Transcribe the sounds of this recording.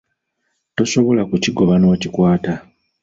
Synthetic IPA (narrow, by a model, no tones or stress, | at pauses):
to̞so̞βo̞lakuciɡo̞βanoːcikwaːta